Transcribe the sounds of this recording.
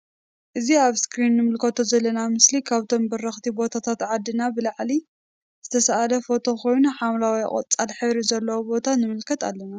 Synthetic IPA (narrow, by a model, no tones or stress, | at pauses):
ʔɨziaβskɾinːɨmɨlkʰɐt̪ʰo̞zɐlːɐnamɨslikʰaβt̪ʰo̞mbɐrɐxt̪ʰibo̞t̪ʰat̪ʰat̪ʕad̪ːɨnabɨlaʕli | zɨt̪ʰɐsaʔalɐfo̞t̪ʰo̞kʰo̞jnuħamlawḭkʼɐ̰t͡sʼalħɨβɾizɐlːɐwobo̞t̪ʰanɨmɨlkʰɐt̪a̰lːɐna